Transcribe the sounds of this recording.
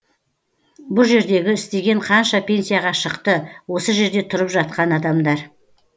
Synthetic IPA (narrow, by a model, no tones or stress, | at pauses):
bʊlˠʒe̞ɾd̪e̞ɡʲɪɪst̪e̞ɡʲe̞ɴqʰɑnʃɑpʰʲe̞nsijaʁɑʃəqt̪əwo̞səʒe̞ɾd̪e̞t̪ʰʊɾəpʒɑt̪̚qɑnɑd̪ɑmd̪ɑɾ